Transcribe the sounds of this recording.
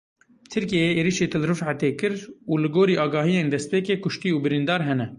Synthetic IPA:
t̪ʰɨɾkijeːeːɾiʃeːt̪ʰɨlrɨfʕat̪eːkɨɾuːlɨɡoːɾiːʔɑːɡɑːɦijeːnd̪ɛst̪peːkeːkʰʊʃt̪iːuːbɨɾind̪ɑːɾɦɛnɛ

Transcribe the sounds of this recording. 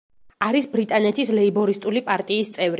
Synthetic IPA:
aɾisbɾit̪ʼanɛt̪ʰislɛibɔɾist̪ʼulipʼaɾt̪ʼiːst̪sʼɛvɾi

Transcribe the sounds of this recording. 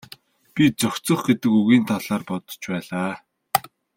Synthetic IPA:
pʲit͡sœxʲt͡sɞ̆χɡet̪ɘ̆kɵɣiːnt̪ʰaɮaːrpɔt̪ɞ̥̆t͡ɕpæːɮaː

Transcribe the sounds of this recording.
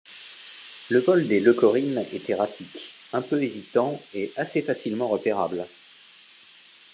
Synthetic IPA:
ləvɔld̪elɔkɔʁinɛ̰t̪eʁat̪ʰik | ɛ̃pøezit̪ɑ̃ɛasefasilmɑ̃ʁəpeʁa̰bl

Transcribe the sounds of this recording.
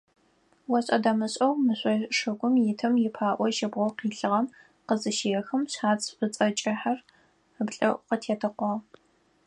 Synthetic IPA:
wɐɕʼɐdɐmɨɕʼɐwmɨɕʷʼɐʂɐɡʷʊmjɪtʰɐmjɪpʰaːʔʷɔʃɐbʁʷɔqiːɬɨʁɐm | qəzɨʃeːjɛxɨmɕħaːt͡sʰʼɕʼʊt͡sʼɐt͡ʃʼɪħar | əbɬʼɐʔqətʰeːtʰɐqʷɔ

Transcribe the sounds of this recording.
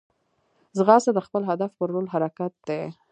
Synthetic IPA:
zɣɑsad̪əxpəlɦad̪afpəɾːolɦaɾakat̪̚d̪e

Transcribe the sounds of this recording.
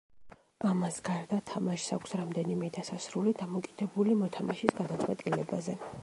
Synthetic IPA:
ʔamasɡaɾd̪at̪ʰamaʃsakʷʰsɾamd̪ɛnimɛd̪asasɾulid̪amɔkʼid̪̥ɛbulimɔt̪ʰamaʃisɡad̪at̪sʼwɛt̪ʼilɛbazɛ

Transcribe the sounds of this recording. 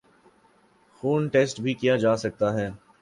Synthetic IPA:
xuːnʈeːsʈbʱikijad͡ʒaːsɐk̚t̪aɦɛː

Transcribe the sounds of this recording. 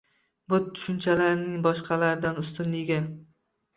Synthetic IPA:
bʊt̪ʰːʊ̥ʃʊnt͡ʃʰalaɾɪnɪŋbɒʃqʰɑlaɾɪd̪anʊst̪ɪnlɪɡʲɪ

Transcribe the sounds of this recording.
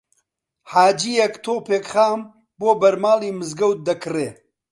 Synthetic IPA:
ħaːd͡ʒijɐkt̪ʰoːpeːkχaːm | boːbɐɾmaːliːmɨzɡɐwt̪̚d̪ɐkʰreː

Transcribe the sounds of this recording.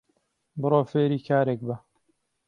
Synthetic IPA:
bɨɾoːfeːɾiːkʰaːɾek̚bɐ

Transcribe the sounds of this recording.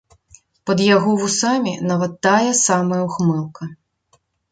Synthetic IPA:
pɐd̪jaɣɔwusamʲinaʋɐt̪ːajɛsamɐjuxmɛlˠkɐ

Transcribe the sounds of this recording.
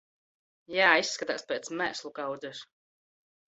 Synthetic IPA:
jaːisːkat̪aːspʲɛːt̪smæ̰ːslˠukawd̪zɛʃ

